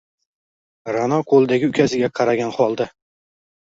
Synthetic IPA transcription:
ɾanɒqʰolˠd̪aɡʲɪʊkʲʰasɪɡʲaqʰɑɾaɡʲanχɒlˠd̪a

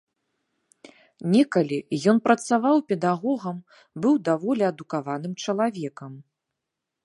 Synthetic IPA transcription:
nʲɛkɐlʲijɔn̪pɾɐt̪savawpʲɛd̪aɣɔɣɐm | bɨwd̪avɔlʲɛɐd̪ukavanɨmt͡ʂɐlˠavʲɛkɐm

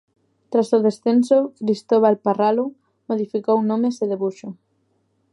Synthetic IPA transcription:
t̪ɾasʊðesθensʊkɾist̪oβ̞alparalʊ | moð̞ifikownõmeseðeβuʃʊ

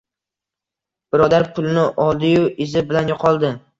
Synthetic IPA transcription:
b̥ɪɾɒd̪aɾpʰʊlˠɪnɪʔɒlˠd̪ɪjʊʔɪzɪbɪlanjɒqʰɒlˠd̪ɪ

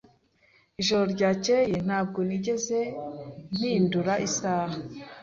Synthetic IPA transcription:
iʒo̞ɾoɾɟaːcejen̥haːb̚ɡoniɟe̞ze̞n̥hinduɾaʔisaːha

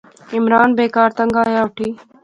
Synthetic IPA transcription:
ɪmɾaːnbeːkaːɾt̪ɐŋɡaːjaːʋʈʰiː

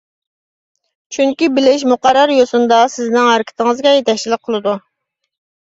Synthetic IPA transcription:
t͡ʃʰyŋkʲibɪlɪʃ̬muqɑɾɑɾjosund̪ɑsɪznɪŋɑɾɪkʲʰɪ̥t̪ʰɪŋɨzɡʲɛjet̪ɛkʲt͡ʃilɪk̚qʰəlˠɨd̪u

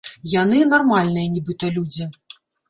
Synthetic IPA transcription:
janɨnarmalʲnɨjɐnʲibɨt̪ɐlʲud͡zʲi

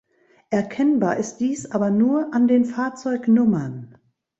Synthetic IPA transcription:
ʔɛɐkʰɛnbaːɐʔɪst̚d̥iːsʔaːbɐnuːɐʔandeːnfaːɐt͡sɔʏknʊmɐn

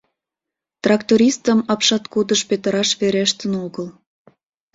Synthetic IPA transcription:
t̪rɑkt̪oɾʲist̪əmɑpʃɑt̪kud̪əʃpet̪əɾɑʃβeɾeʃt̪ənoɣəl

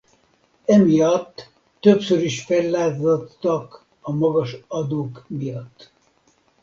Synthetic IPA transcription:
ɛmijɒt̪ː | øpsøɾiʃfɛlːaːzot̪ːɒk | ɒmɒɡɒʃɒd̪oːkmijɒt̪ː

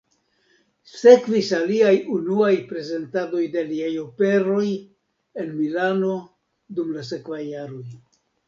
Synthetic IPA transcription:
se̞kvisaliajunuajpɾe̞ze̞ntado̞jdeliajo̞pe̞ɾo̞j | e̞nmilano̞ | dumlas̬e̞kvajːaɾo̞j

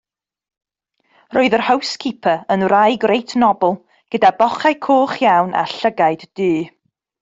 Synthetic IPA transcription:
roːɨðərhəwskʰipʰəənrajɡrejtʰnɔbɛlˠ | ɡ̥ədabɔχajkʰoːχjawnʔa̰ɬəɡajd̥d̥ɨː

